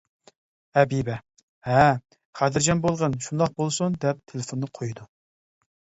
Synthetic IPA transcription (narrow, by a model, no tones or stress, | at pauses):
ɛbibɛ | hɛ | χʰæd̪ɪɾd͡ʒɛnbolˠʁənʃund̪ɑq̚bolˠsund̪ɛp̚t̪ʰelɪfonːɨqʰojd̪u